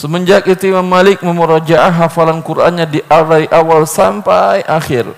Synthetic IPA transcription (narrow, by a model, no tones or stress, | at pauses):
səməɲd͡ʒak̚it̪uimamːalɪk̚məməɾad͡ʒaʔaɦafalankuɾʔa̰nɲadiʔadaɾiʔawalsampajʔaxɪr